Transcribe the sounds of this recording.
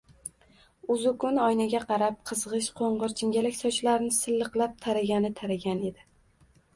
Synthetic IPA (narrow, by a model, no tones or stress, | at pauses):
ʊzʊkʰʊnɒjnaɡʲaqʰɑɾap̚qʰɨzʁɨʃqʰoɴʁɨɾt͡ʃʰɪŋɡʲalɪkʲsɒt͡ʃʰlaɾnɪsɪlːɨqlˠap̚t̪ʰaɾaɡʲanɪt̪ʰaɾaɡʲane̞d̪ɪ